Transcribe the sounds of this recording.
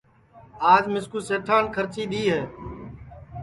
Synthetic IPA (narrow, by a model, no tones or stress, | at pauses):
aːd͡ʒmɪskuːseːʈʰaːnkʰəɾt͡ʃiːɗ̪iːɦɛː